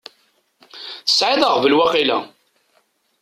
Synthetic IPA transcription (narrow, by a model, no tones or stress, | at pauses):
θə̥sʕiðˤəʁvəlwæqilæ̰